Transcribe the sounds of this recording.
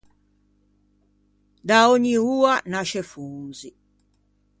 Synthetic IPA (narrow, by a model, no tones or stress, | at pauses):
d̪aoɲiuːanaʃɛfuːzi